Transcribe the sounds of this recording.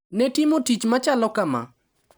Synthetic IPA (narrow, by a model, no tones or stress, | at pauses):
nɛtimotit͡ʃmat͡ʃalɔkama̰